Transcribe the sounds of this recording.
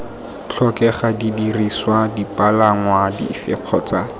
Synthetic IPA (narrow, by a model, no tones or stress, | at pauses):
t͡ɬʰɔkɛχadidiriswadipʼalaŋwadḭfɪq͡χʰɔt͡sa